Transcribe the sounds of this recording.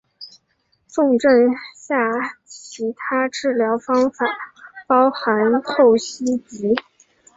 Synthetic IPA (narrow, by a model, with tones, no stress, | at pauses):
ʈ͡ʂʊ˥˧ŋʈ͡ʂə˥˧ŋɕja˥˩t͡ɕʰi˧˥t̪ʰa˥ʈ͡ʂɻ̩˥˩ljɑ˧˥ʊfɑ˥ŋfa˨˩˦pɑ˥ʊxa˧˥nxo˥˩ʊɕi˥t͡ɕi˧˥